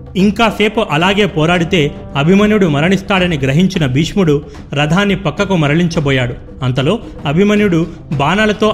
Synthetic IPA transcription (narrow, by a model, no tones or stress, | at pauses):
iŋkaːseːpuʔɐlaːɡe̞ːpɔːɾaːɽit̪e̞ː | ɐbʱimɐnjuɽumɐɾɐɳist̪aːɽɐniɡɾɐɦiɲt͡ʃinɐbiːʂmuɽu | ɾɐd̪ʱaːnːipɐkːɐkumɐɾɐɭiɲt͡ʃɐbɔːjaːɽu | ɐnt̪ɐlo̞ː | ɐbʱimɐnjuɽu | baːnaːlɐt̪o̞ː